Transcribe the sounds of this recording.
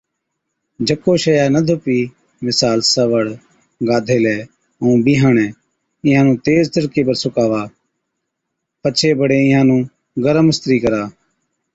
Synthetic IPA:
d͡ʒəkoːʃəjaːnəd̪ʱʊpiː | mɪsaːlsəʋəɽ | ɡaːd̪ʱeːlɛː | ũːbiːɦəːɳɛ̃ː | ɪ̃ːãːnũːt̪eːzt̪əɾkeːpəɾsʊkaːʋaː | pət͡ʃʰeːbəɽeːɪjãːnũː | ɡəɾəməst̪ɾiːkəɾaː

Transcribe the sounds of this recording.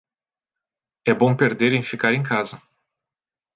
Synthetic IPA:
ɛbõw̃peɾd̪eɾẽj̃fikaɾẽj̃kazɐ

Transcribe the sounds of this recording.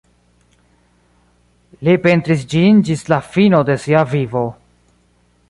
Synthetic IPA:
lipe̞nt̪ɾis̬d͡ʒind͡ʒislafino̞de̞siavivo̞

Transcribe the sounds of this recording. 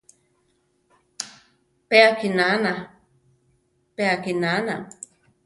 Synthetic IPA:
peakinana | peakinana

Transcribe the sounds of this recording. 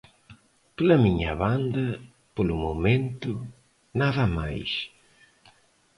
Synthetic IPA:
plɐmiɲɐ̰βand̪ɐ | polumumẽnt̪ʊ | naðɐma̰js

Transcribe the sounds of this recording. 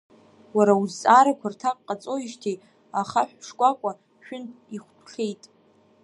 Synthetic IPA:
waɾauzt͡sʼaɾakʷʰartʰaqʼqʼːat͡sʼo̞iʃtʰej | aχaħᶣʂkʷʼakʷʼa | ʃᶣʊniχʷtʰχʲe̞jtʼ

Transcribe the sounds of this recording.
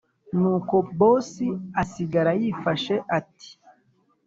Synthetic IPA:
nuːkobosiasiɡaɾajifaʃeʔati̥

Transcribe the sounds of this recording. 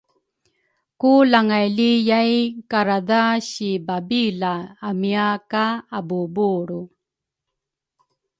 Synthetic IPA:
kulaŋajlijajkaɾadaɕibabilaːmiakaabubuɾu

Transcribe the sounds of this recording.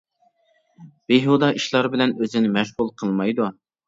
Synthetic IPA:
b̥eɦud̪ɑʔiʃlˠɑɾbɪlɛnøzɪnɪmɛʃʁulˠqʰəlˠmɑjd̪u

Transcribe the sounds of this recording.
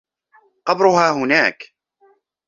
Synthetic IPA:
qɑbɾʊɦaːɦʊnaːk

